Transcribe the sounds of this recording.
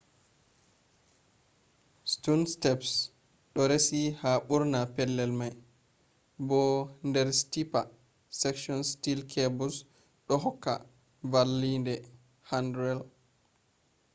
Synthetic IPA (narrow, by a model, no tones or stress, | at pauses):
stunstɛps | ɗɔɾesihaɓuɾnapɛlːɛlmaj | bɔndɛɾstipa | sɛkʃiɔnstilkʰebɔs | ɗɔɦɔkːa̰ | valːindɛ | handɾɛl